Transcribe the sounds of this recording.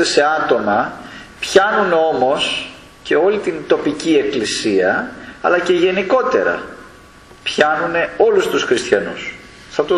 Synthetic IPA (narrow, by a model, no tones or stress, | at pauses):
ese̞ɐt̪o̞mɐ | pçɐnuno̞mo̞s | ce̞o̞lit̪int̪o̞picie̞klisiɐɐ̰lɐce̞ʝe̞niko̞t̪e̞̰ɾɐ̰ | pçɐnune̞o̞lust̪usxɾist̪çɐnṵs | θɐt̪o